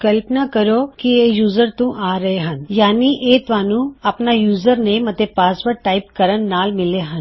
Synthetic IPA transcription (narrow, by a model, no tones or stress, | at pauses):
kɐlpnakɐɾokieːjuːzəɾt̪ũʔaːɾɐɦeɦɐnjaːniʔeːt̪ʋaːnũɐpnajuːzəɾnẽmɐt̪epaːsʋəɾʈaːɪpkɐɾənːaːlmɪleɦə̃n